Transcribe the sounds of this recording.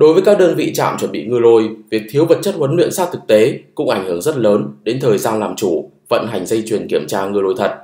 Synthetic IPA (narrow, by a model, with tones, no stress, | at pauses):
ɗo˨˦jvəː˨˦jkaː˦˥k̚ɗəː˧nvḭ˧˨t͡ɕa̰ː˧˨mt͡ɕwə˧˩nɓḭ˧˨ŋɨ˧əlo˧jvi˨˩ək̚t̪ʰi˨˦əwvə˨˩t̚t͡ɕə˦˥t̚hwə˨˦nlwḭ˧˨ənsaː˦˥t̚t̪ʰɨ˨˩k̚t̪e˨˦kʊ̰˧˥ŋ͡mʔa˧˩jŋ̟hɨ˨˩əŋzə˦˥t̚ləː˨˦nɗe˨˦nt̪ʰəː˨˩jzaː˧nlaː˨˩mt͡ɕu˧˩ | və̰˧˨nɦa˨˩jŋ̟zə˧jt͡ɕwi˨˩ənki˧˩əmt͡ɕaː˧ŋɨ˧əlo˧jt̪ʰə˨˩t̚